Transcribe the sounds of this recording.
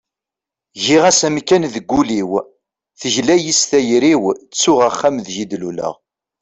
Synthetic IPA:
ʝiʁæsæmkːænðəɡʷːuliw | θəʒlæjisθæjɾiwt͡sːʊʁaχːamðʒid̪lulə̰ʁ

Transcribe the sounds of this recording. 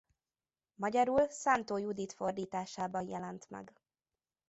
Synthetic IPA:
mɒɟɒɾuːlsaːnt̪oːjud̪iːt̪fo̞rd̪iːt̪aːʃaːbɒnjɛ̰lɛnt̪mɛ̰ɡ

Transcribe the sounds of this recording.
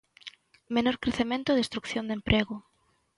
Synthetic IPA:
menoɾkɾeθemẽnt̪ʊðest̪ɾukθjond̪empɾʔeɣʊ

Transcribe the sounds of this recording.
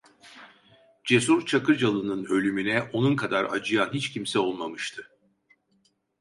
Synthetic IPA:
d͡ʒe̞s̬uɾt͡ʃʰakɯɾd͡ʒalˠɯnɯnø̞lʲymynɛo̞nunkʰad̪aɾa̰d͡ʒɯjanɦit͡ʃcʰimsɛo̞lˠmamɯʃt̪ʰɯ

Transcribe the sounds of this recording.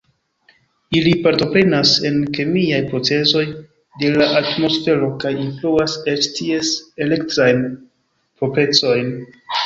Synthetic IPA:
ilipaɾto̞pɾe̞nase̞nkemiajpɾo̞t͡se̞so̞j | de̞laʔatmo̞sfe̞ɾo̞kajinfluase̞t͡ʃtʰiese̞le̞ktɾajn | pope̞t͡so̞jn

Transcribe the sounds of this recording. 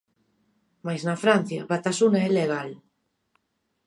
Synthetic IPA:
majznafɾan̟θja̰βat̪asunaɛleɣal

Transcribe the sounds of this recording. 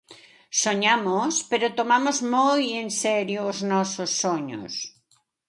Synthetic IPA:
soɲamʊspeɾot̪omamozmojensɛɾjʊːznɔsosːoɲʊ̰s

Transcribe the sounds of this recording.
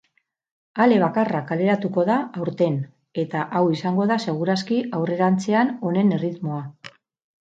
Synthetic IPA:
ale̞β̞akarakale̞ɾat̪uko̞ðaawɾt̪e̞n | e̞t̪aʔawisaŋɡo̞ðase̞ɣ̞uɾaskiʔawre̞ɾant͡se̞ano̞ne̞ne̞rit̪mo̞a

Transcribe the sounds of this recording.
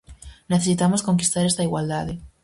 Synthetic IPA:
neθesit̪amosko̞ŋki̥st̪aɾest̪aiɣwald̪aðe

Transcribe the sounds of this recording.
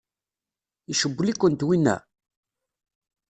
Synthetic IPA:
iʃəbːlikʷːənt̪winːæ̰

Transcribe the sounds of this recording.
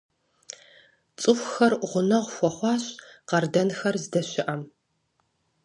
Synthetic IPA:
t͡sʼɨxʷxɐrʁʷʊnɐʁʷxʷɔχʷɑːɕqɐrdɐnxɐrzdɐɕɪʔɐm

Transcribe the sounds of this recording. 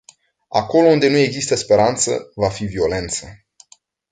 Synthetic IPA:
a̰ko̞lound̪e̞nue̞ɡzist̪əspe̞ɾant̪sə̰vafivio̞le̞nt̪sə

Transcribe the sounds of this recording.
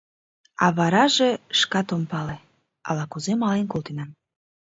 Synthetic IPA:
ɑ̰βɑɾɑʒeʃkɑt̪ompɑle | ɑ̰lɑkuzemɑlenkolt̪enɑn

